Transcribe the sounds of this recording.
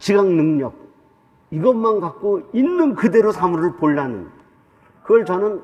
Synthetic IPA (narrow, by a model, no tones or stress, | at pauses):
t͡ɕiɡaŋnɯŋɲʌb̚ | iɡʌnmanɡak̚k͈oinːɯnkɯde̞ɾosʰamuɾɯɭpoɭːanɯ̰n | kɯɡʌɭt͡ɕʌnɯn